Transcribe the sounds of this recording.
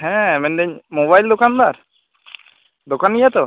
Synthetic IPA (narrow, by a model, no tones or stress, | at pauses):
ɦɛ̃mɛnɖɛɲmobajld̪ɔkand̪aɾ | d̪ɔkanijat̪ɔ